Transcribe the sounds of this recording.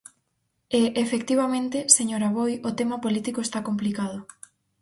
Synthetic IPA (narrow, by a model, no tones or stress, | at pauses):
eʔefek̚t̪iβ̞amẽnt̪eseɲoɾaβojot̪emapolit̪ikoest̪akomplikað̞ʊ